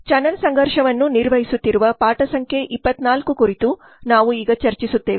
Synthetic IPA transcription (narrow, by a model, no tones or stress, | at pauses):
t͡ʃɐnɐlsɐŋɡʱɐɾʂɐʋɐnːuniɾʋɐɦisut̪ːiɾuʋɐpaːʈɐsɐŋkʰeʔipːɐt̪naːlkukuɾit̪u | naːʋuiːɡɐt͡ʃɐɾt͡ʃisut̪ːe̞ːʋ